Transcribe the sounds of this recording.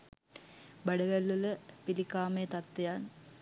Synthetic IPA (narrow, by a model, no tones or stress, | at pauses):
bɐɖəʋælːuləpilikaːmet̪ɐt̪ːejaːn